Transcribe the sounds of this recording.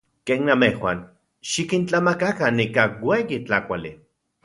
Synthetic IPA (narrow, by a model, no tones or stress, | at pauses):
keːnːamehwa̰ːn | ʃikint͡ɬamakakanːikaweːjit͡ɬakʷali